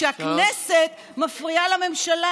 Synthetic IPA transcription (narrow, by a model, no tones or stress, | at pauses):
eakneset̪ | mafʁialame̞mʃala